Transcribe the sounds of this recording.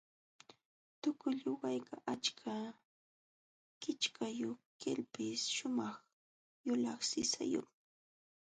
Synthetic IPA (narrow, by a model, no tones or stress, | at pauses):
t̪ʊkʊjʎʊwɑjqɑʔat͡ʃkʰa | kɪt͡ʃkʰajokɪlpɪsʃʊmɑχ | jʊlɑχsɪsa̰jo̰ŋ